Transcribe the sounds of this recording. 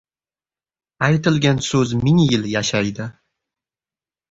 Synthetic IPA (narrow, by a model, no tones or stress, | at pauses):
ajt̪ɪlɡʲansɵzmɪŋjɪljaʃajd̪ɪ